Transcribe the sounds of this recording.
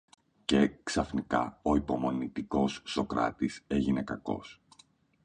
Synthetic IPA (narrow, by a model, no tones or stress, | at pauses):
ce̞ksɐfnikɐo̞ipo̞mo̞nit̪iko̞sːo̞kɾɐ̰t̪ise̞ʝine̞kɐko̞̰s